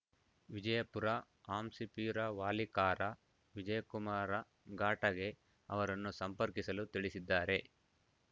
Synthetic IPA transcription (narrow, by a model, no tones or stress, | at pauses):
ʋid͡ʒɐjɐpuɾɐ | aːmsipiːɾɐʋaːlikaːɾɐ | ʋid͡ʒɐjɐkumaːɾɐ | ɡaːʈɐɡe̞ | ɐ̰ʋɐɾɐnːusɐmpɐɾkisɐlut̪iɭisid̪ːaːɾe̞